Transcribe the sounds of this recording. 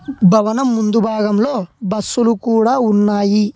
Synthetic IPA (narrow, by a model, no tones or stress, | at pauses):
bʱɐʋɐnɐmːund̪ubʱaːɡɐmlo̞ːbɐsːulukuːɽaːunːaːji